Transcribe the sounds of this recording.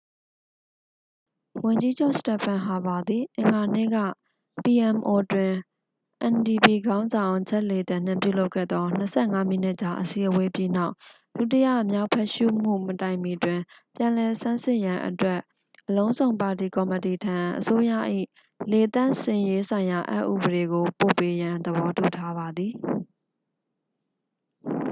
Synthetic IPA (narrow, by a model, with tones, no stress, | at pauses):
wʊ̃˨ɲd͡ʑi˦d͡ʑo˦ʊʔsə̥tɛ˨pʰã˨ɦa˨ba˨d̪i˨ʔɪ̃˨ŋɡa˨nḛ˦˨ɡä̰˦˨ | pi˨ʔɛ˨mʔo˨twɪ̃˨ | ʔɛ̃˨ndi˨pi˨ɡã˦ʊ̃nzã˨ʊ̃t͡ɕʰɛ˦ʔle˨tã˨n̥ɪ̰̃˦˨mp̬jṵ˦˨lo˦ʊkʰɛ̰˦˨d̪ðɔ˦n̥əsʰɛ˦˨ŋa˦m̥ḭ˦˨n̥ɪ˦ʔt͡ɕa˨ʔəsi˨ʔəwe˦pji˦na˦ʊʔ | l̥u˦˨tə˦ja̰˦˨ʔəmja˦ʊpʰɛ˦ʔʃṵ˦˨m̥ṵ˦˨mətã˨ɪ̃mi˨twɪ̃˨pjã˨lɛ˨sã˦nsɪ˦ʔjã˨ʔə̰twɛ˦˨ʔ | ʔːəlõ˦ʊ̃zõ˨ʊ̃mpa˨t̬i˨kɔ˨məti˨tʰã˨ʔəso˦jä̰˦˨ʔḭ˦˨ | le˨t̪ã˦˨sɪ̰̃˨je˦sʰã˨ɪ̃ja˨ʔa̰˦ʔːṵ˦˨bəɾe˨ɡo˨po̰˦˨pe˨˦jã˨nd̪əbɔ˦tu˨tʰa˦βa˨d̪ði˨